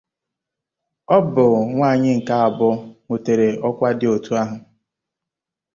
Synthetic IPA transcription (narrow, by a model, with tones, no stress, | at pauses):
ɔ˦bʊ˨ŋʷa˦˨ɲɪ˦ŋ̩˨ka˦a˨bʊ˦ŋʷo˨te˨ɾe˨ɔ˦kʷa˦dɪ˦o˨tu˦a˦ɦʊ˨